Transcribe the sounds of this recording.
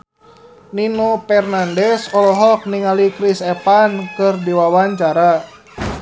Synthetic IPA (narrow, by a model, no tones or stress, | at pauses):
ninopɛrnandɛsɔlɔɦɔk̚niŋalikɾisɛpankɨrdiwawaɲt͡ʃaɾa